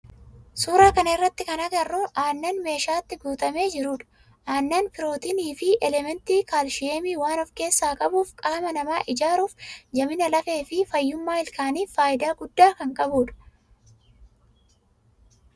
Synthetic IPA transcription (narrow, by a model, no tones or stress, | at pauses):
suːɾaːkɐnɐɪrːɐt̪ːɪkɐnɐɡɐrːʊʔaːnːɐːnme̞ːʃaːt̪ːɪɡuːt̪ʼɐme̞ːd͡ʒɪɾuːᶑɐ̥ | ʔaːnːɐːnpɪɾo̞ːt̪iniːfɪʔɛlɛmɛnt̪iːkaːlʃɪeːmiːwaːnɔfke̞ːsːaːkʼɐbuːfkʼaːmɐnɐmaːʔɪd͡ʒaːɾuːfd͡ʒɐmɪnɐlɐfe̞ːfɪfɐjːʊmːaːɪlkaːniːfaːjɪd̪aːɡʊd̪ːaːkɐŋkʼɐbuːᶑɐ̥